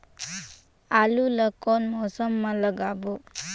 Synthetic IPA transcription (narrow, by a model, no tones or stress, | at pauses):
aluləkonmɔsəmːaləɡabo